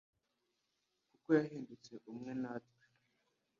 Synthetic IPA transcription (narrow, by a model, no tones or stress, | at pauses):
kuko̞jaɦiːndut͡se̞ʔumŋe̞natwe̥